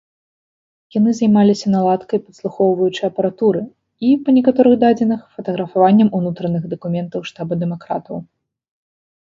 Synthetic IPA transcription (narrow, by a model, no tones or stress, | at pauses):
janɨzajmalʲisʲɐnalˠat̪kɐjpɐt̪slˠuxɔwvɐjut͡ʂɨjɐpɐɾat̪uɾɨ | ipɐnʲɛkat̪ɔɾɨɣd̪ad͡zʲinɐxfɐt̪ɐɣɾɐfavanʲːɐmunut̪ɾɐnɨɣd̪ɐkumʲɛnt̪ɐwʂt̪abɐd̪ɛmakɾa̰t̪ɐw